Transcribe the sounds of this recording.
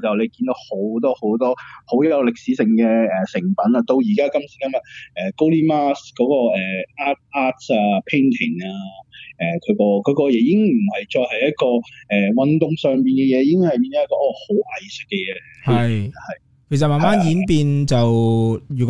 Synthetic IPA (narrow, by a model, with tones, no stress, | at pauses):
t͡sɐ˨wle˨˧kiː˧nt̪o˨˥who˨˥wt̪ɔː˥ho˨˥wt̪ɔː˥ho˨˥wjɐ˨˧wlɪ˨k̚si˨˧˥sɪ˨ŋkɛː˧ɛ˨sɪ˨˩ŋpɐ˨˥nɐ˧t̪o˧wji˨˩kaː˥kɐ˥msi˨˥kɐ˥mɐ˨t̚ɛː˨˩ko˥wliː˥maː˥skɔː˨˥kɔː˧ɛː˨˩ʔaː˥t̚ʔaː˥t̚saː˧pʰe˥ŋt̪ʰɪ˨˩ŋaː˧ʔɛː˨kʰɵ˨˧ɥkɔː˧kʰɔ˨˧ɥkɔː˧jɛ˨˧˥jɪ˥ŋm̩˨˩hɐ˨jt͡ʃɔː˧khɐ˨jɐ˥t̚kɔː˧ʔɛː˨wɐ˧nt̪ʊ˨ŋsœː˨ŋpiː˨nkɛ˧jɛː˨˧jɪ˥ŋhɐ˨jpiː˧nd̪o˧˥kɔ˧˥ʔɔː˧ho˨˥wʔɐ˨jsɪ˨kːɛ˧jɛː˨˧˦jɐ˨˩hɐ˨j | kʰe˨˩sɐ˨t̚maː˨nmaː˦˥njiː˨˥npiː˧nt͡sɐ˨wjyː˨˩k